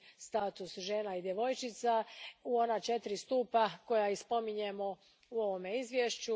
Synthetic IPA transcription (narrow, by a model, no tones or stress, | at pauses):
st̪aːt̪usʒe̞ːnaid̪je̞ʋo̞jt͡ʃɪt̪sauo̞nat͡ʃe̞t̪ɾist̪uːpako̞jaispo̞miɲemo̞ | uo̞ʋo̞me̞izʋjeʃt͡ɕu